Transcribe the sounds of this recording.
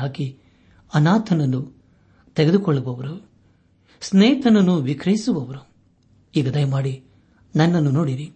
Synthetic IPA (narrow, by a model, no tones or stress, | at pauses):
ɦaːki | ɐnaːt̪ʰɐnɐnːu | t̪eɡed̪ukɔɭːɐbɐʋɐɾu | sneːt̪ɐnɐnːuʋikɾɐɦisubɐʋɐɾu | iːɡɐd̪ɐjɐmaːɽi | nɐnːɐnːunoːɽiɾi